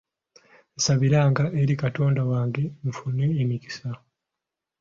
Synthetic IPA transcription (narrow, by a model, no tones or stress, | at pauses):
esaβiɾaːŋɡaʔeɾikato̞ːndawaːŋɡe̞ɱfuneːmiki̥sa